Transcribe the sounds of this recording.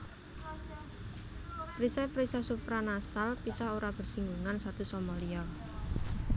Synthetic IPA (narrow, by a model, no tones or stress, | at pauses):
pɾisapɾisasupɾanasalpisaoɾab̥ə̤rsiŋɡuŋansat̪usɔmɔliɔ